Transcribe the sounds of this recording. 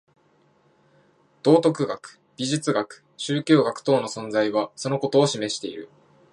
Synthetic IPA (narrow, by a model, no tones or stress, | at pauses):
d̪̥o̞ːt̪o̞kɯ̟ɡakɯ̟̥b̥ʲiʑɨt͡sɨɡakɯ̟̥ɕɨːkʲo̞ːɡakɯ̟̥t̪o̞ːno̞sõ̞nd͡zaiβ̞aso̞no̞ko̞t̪o̞ːɕime̞ɕi̥t̪e̞iɾɯ̟̰